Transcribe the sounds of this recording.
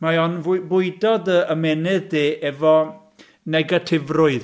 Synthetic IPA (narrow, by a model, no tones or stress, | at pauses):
majɔnvbʊɨdɔdəəmɛnɪðdeːʔɛvɔ | nɛɡatʰɪvrʊɨð